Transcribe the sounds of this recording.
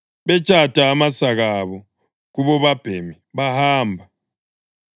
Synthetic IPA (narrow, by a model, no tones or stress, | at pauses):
βɛt͡ʃʼad̥ʱaːmasaɣaβɔ | ɣuβɔβab̥ʱemi | βahaːmbʱa